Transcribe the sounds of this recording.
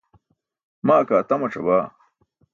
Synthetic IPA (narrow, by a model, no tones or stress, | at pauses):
maːkaːt̪ɐmɐʈ͡ʂɐbaː